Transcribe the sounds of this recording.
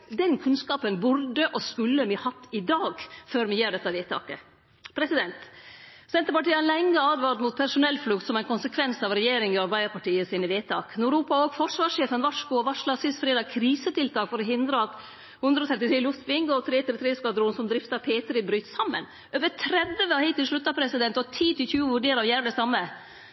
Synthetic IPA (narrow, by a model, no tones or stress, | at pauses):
d̪ɛnkʰʉnskɑːpənbʊɾɖəʔɔskʉlːəmɪhɑt̪ːɪd̪ɑːɡføːɾmɪjeːɖɛt̪ːɑʋeːt̪ʰɑ̰ːkə̰ | pʰɾɛsɪd̪ɛnt̪ | sɛnt̪əɾpɑʈiːəlɛŋːəɑːd̪ʋɑːɾt̪mut̪̚pʰæɾʂʊnɛlːflʉkt̪sɔmæɪnkʰʊnsəkʰʋɛnsɑʋɾɛjeːɾɪŋɪɑɾbæɪəɾpɑʈiːəsiːnəʋeːt̪ʰɑ̰ːknʊɾuːpɑoɡfɔʂʋɑːʂeːfənʋɑʂkʊɔʋɑʂlɑsɪsfɾeːd̪ɑkʰɾiːsət̪ɪlt̪ʰɑːkfɔɾɔɦɪnd̪ɾəɑt̪ | hʉnd̪ɾəoːt̪ʰɾɛt̪ɪt̪ɾiːlʊst̪bɪŋɡɔt̪ʰɾeːt̪ɪɾɪt̪ʰɾeːəskɑd̪ɾʊːnsɔmd̪ɾɪft̪ɑpʰeːt̪ɾɪbɾyːt̪sɑmːə̰n | ʔøːʋət̪ʰɾɛd̪əəɑhɛɪt̪ːɪlʂɭʉt̪ːɑpʰɾɛsɪd̪ɛnt̪ɔt̪ʰiːt̪ɪlçʉːəʋʉɖeːɾɑʋjæːɾd̪əsɑmːə